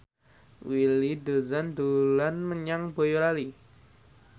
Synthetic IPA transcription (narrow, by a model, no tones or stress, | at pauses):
wilid̪o̤zand̪olanməɲaŋbojoɾali